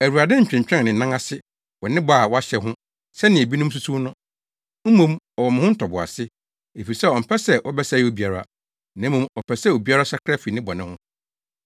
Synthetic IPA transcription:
æ˨wu˨ɾa˨dɪ̃˦ɲ̩˨t͡ɕᶣɪ̃˨ɲ˨t͡ɕᶣɾɛ̃˦n˨nɪ̃˨nã˦ŋa˦sɪ˦ | wɔ˨nɪ̃˦ba˨a˨wɔ˦a˦ɕɛ˨ɦʊ̃˦ | sɛ˦nɪ̃˨e˨bi˦nʊ̃˦m˦s̬u˦su˦nʊ̃˦ | m̩˦mːũ˦m | ɔ˨wɔ˨m̃˨hʊ̃˦n̩˦tʰɔ˨bʊ˨a̰˨sɪ˦ | e˨fi˨i˨sɛ˦ɔ˨m̩˨pʰɛ˦sɛ˦wʔɔ˦bɛ˦sa˦˨i˦o˦bi˦a˨ɾa˦a̰˨ | nã˨˦mũ˨mɔ˨pʰɛ˨sɛ˦o˨bi˦a˦ɾa˦sa˦kʰɾa˦fi˨nɪ̃˦bɔ˨nɪ̃˦hʊ̃˦

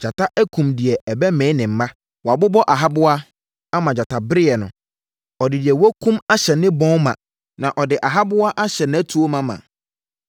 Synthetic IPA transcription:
d͡ʑa˨tʰa˦ʔɛ˦kʰũ˨mdɪ˨ɛ˨ɛ˨bɛ˦mɛ̃˨˦nɪ̃˨m̩˨˦mã˦ | wa˨bʊ˦bɔ˦ʔa˨ɦa˦bʊ˦a˦ | a˦mã˨d͡ʑa˨tʰa˨bɾɪ˦ɛ˨nʊ̰̃˨ | ɔ˨dɪ˨dɪ˨ɛ˨wɔ˦kʰũ˦ma˦ɕɛ˨nɪ̃˦bɔ̃˦mã̰˨ | nã˨ʔɔ˨dɪ˨ʔa˨ɦa˦bʊ˦a˦ʔa˦ɕɛ˨nɪ̃˦æ˦tʰu˨o˦mã˨mã̰˨

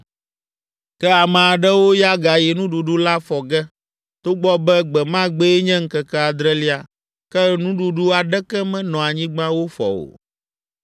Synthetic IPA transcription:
kɛ˦a˨mɛ̃˨a˨ɖɛ˦wo˦ja˦ɡa˨jɛ˨nũ˦ɖu˨ɖu˦la˦fɔ˨ɡɛ˦ | t̪o˦ɡ͡bɔ˦bɛ˦ɡ͡bɛ˨mã˦ɡ͡bɛ˦ɛ˦ɲɛ̃˦ŋ̩˦kɛ˨kɛ˦a˨d̪ɾɛ˦li˦a˨ | kɛ˦nũ˦ɖu˨ɖu˦a˨ɖɛ˦kɛ˦mɛ̃˦nɔ̃˨a˨ɲĩ˦ɡ͡bã˦wo˦fɔ̰˨o̰˨

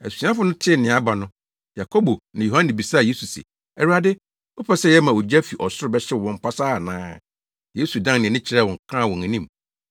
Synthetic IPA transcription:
æ˨si˨˦ã˦fʊ˦nʊ̃˦tʰɪ˦˨nɪ̃˨a˦ba˨nʊ̃˦ | ja˨kʰo˦bo˨nã˨jo˨hã˦nĩ˨bi˨saː˦˨je˦su˨sɛ̰˨ | ɛ˨ɾu˦a˦dɪ˦ | o˦pʰɛ˦sɛ˦jɛ˦mã˨o˨d͡ʑa˦fi˨ʔɔ˨sʊ˦ɾʊ˨bɛ˦ɕɛ˦˨wɔ̃˨m˦pʰa˦saː˦˨nãː˦ | je˦su˨dã˦ŋnɪ̃˨ɛ˨nɪ̃˦t͡ɕʰɪ˨ɾɛ˦wɔ̃˨kʰãː˦˨wɔ̃˨ŋæ̃˨nĩ˦m

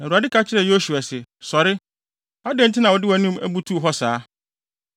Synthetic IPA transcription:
nã˨a˨dɪ˦kʰa˦t͡ɕʰɪ˦ɾɛ˨jo˦su˨a˨sɛ˨sɔ˨ɾɪ˦ | a˦dɛ̃˦n̩˦tʰɪ˦nã˨wɔ˨dɪ˦wæ˨˦nũ˦mæ̰˦bu˦tʰu˦˨ɦɔ˦saː˨˦

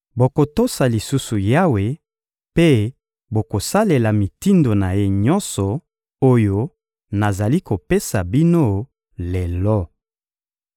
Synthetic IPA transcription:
bo˨ko˨to˦sa˨li˨su˦su˨ja˦we˨ | pe˦ | bo˨ko˨sa˦le˨la˨mi˨ti˦ndo˨na˨je˦ɲɔ̃˦nsɔ˨ | o˦jo˦ | na˨za˨li˦ko˨pe˦sa˨bi˦no˦ | le˨lɔ˦

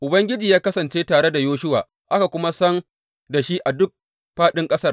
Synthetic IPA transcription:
ʔʊ˨bɐ˦ŋɡʲɪ˦d͡ʒiː˨jaː˦kɐ˦sɐ˨nt͡ʃeː˦taː˨ɽe˦da˨joː˦ʃʊ˦wa̰ː˨ | ʔa˦ka˨kʷʊ˦ma˦sɐ˦n | da˨ʃi˦ʔa˨dʊ˦k̚ | ɸaː˦ɗɪ˦ŋkʼɐ˦sɐ˦r

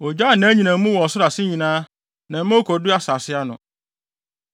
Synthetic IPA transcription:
ɔ˨d͡ʑa˦˨nã˨˦ɲĩ˨nã˨˦mũ˦wɔ˨ɔ˨sʊ˦a˨sɪ˦ɲĩ˨nãː˦ | nã˨m̩˦mõ˦kʰɔ˨dʊ˦a˦sa˨sɪ˦a˦nʊ̰̃˨

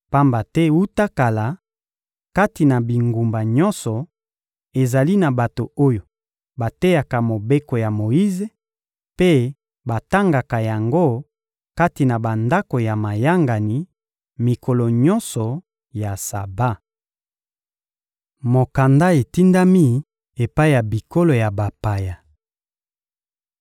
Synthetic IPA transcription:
pa˦mba˨tɛ˦wu˦ta˦ka˨la˨ | ka˦ti˨na˨bi˨ŋɡu˨mba˨ɲɔ˦nsɔ˨ | e˨za˨li˦na˨ba˨to˨o˦jo˨ | ba˨te˦ja˨ka˨mo˨be˦ko˨ja˨mo˨ji˦ze˨ | pe˦ | ba˨ta˦ŋɡa˨ka˨ja˨ŋɡo˦ | ka˦ti˨na˨ba˨nda˦ko˨ja˨ma˨ja˦ŋɡa˨ni˨ | mi˨kʰo˨lɔ˨ɲɔ˦nsɔ˨ | ja˨sa˨ba˦ | mo˨ka˨nda˦e˨ti˦nda˦mi˦ | e˨pa˦i˦˨ja˨bi˨ko˦lo˨ja˨ba˨pa˨ja˨

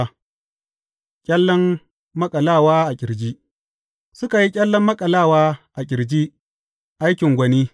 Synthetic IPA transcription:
kʲʼɐ˦lːɔ˦mː | ɐ˦kʼɐ˨laː˦˨waː˦ʔa˨kʲʼɪ˨ɾd͡ʒi˦ | sʊ˦ka˨ji˦kʲʼɐ˦lːɔ˦mːɐ˦kʼɐ˨laː˦˨waː˦ʔa˨kʲʼɪ˨ɾd͡ʒi˦ | ʔa˦jkʲɪ˨ŋɡʷɐ˨niː˦

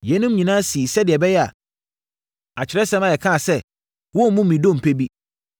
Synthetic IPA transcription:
jɛ˨˦nũ˦mɲĩ˨nãː˦si˨sɛ˦dɪ˨ɛ˨bɛ˦jɛ˦a̰˨ | a˨t͡ɕʰɪ˨ɾɛ˦sɛ̃˦mã˨jɛ˨kʰã˦˨sɛ˦ | wɔ˦mũ˦mĩ˨dõ˦˨m̩˨pʰe˦bi˦

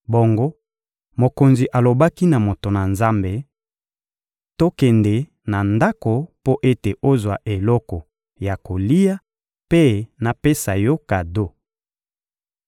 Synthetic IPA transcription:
bo˨ŋɡo˦ | mo˨ko˨nzi˨ʔa˨lo˨ba˦ki˦na˨mo˨to˨na˨nza˦mbe˨ | to˦kɛ˨nde˨ | na˨nda˦ko˨po˦ʔe˦te˨ʔo˦zwa˨ʔe˨lɔ˦kɔ˨ | ja˨ko˨li˦ja˦ | pe˦na˨pe˦sa˨jo˦ka˨do˦

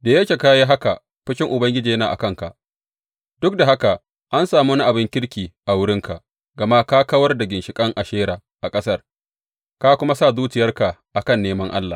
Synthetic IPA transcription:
daː˨jɐ˦kʲeː˨kaː˦ja˦ɦa˦ka˨ | ɸɪ˦ʃʲɪ˦ŋʔʊ˨bɐ˦ŋɡʲɪ˦d͡ʒiː˨jɐ˦na̰ː˨ʔa̰˨kɐ˦˨ŋka̰˨ʔ | d̥ʊ˦k̚da˨ɦa˦ka˨ | ʔa˦nsaː˨muː˦na˦ʔa˨bɪ˦ŋkʲɪ˦ɽkʲiː˨ʔa˨wʊ˦ɽɪ˦ŋka˨ʔ | ɡɐ˨ma˦kaː˦kɐ˦wɐ˦rda˨ɡʲɪ˨nʃɪ˨kʼɐ˦ŋʔa˨ʃeː˦ɾaː˨ | ʔa˨kʼɐ˦sɐ˦r | ka˦kʷʊ˦ma˦sa˦˨zuː˦t͡ʃɪ˨jɐ˦rka˨ʔa˨kɐ˦˨nːeː˦mɐ˦ŋʔa̰˦lːa̰˨

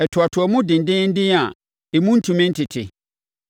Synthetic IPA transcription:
ɛ˨tʰʊ˨a˨tʰʊ˨ɔ˨mũ˦dɪ̃˨n̩˨dɪ̃˦n̩˦dɪ̃˦a˨ | e˨mũ˦n̩˦tʰũ˨mɪ̃˦n̩˦tʰɪ˨tʰɪ̰˨

